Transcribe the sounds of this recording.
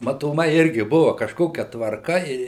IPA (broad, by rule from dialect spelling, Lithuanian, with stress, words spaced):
mɐtoːˈmɐɪ ˈɪrʲɡʲɪ ˈbʊʋɐ kɐʃˈkoːkʲɛ tʋɐrˈkɐ ɪ